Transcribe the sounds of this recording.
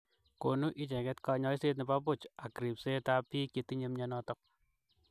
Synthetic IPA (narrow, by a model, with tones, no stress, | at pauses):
ko˨nu˦ʔi˦t͡ʃɛ˨kɛ˦tka˧ɲɔ˦ise˦t̚ni˨pa˦pu˦t͡ʃa˨kɾi˨pse˦ta˦pi˦ke˨ti˦ɲe˦mɲɔnɔtɔk̚